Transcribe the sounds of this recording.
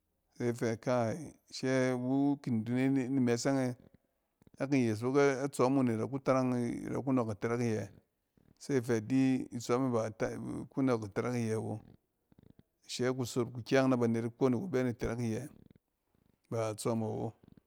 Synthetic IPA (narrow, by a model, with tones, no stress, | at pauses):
se˦i˨fe˨ka˦˨ʃe˦bu˦ki˨n˨du˨ne˦ni˦me˨se˦ŋe˦ | a˦ki˨je˨s̬bo˦ke˦a˦t͡so˨˦mu˦ni˨ɾa˨k̬u˦ta˦ɾa˦ŋ̰˨ɾa̰˨ku˦no˨ka˨te˨ɾa˦ki˦˨je˨ | sa˦i˦˨fe˨di˦i˨t͡so˨˦mi˦ba˨tku˦no˨ki˨te˨ɾa˦ki˨je˨wo̰˦˨ | ʃe˦k̬u˨so˨ɾku˨kʲa˦ŋna˦ba˨ne˨ɾi˦ko˦ni˨ku˨be˦ni˨te˨ɾa˦ki˦˨je˨ | ba˨t͡so˦ma˨wo̰˦